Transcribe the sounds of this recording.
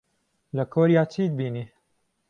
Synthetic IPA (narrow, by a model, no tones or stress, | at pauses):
lɐkʰoːɾijaːt͡ʃʰiːd̪̚biːniː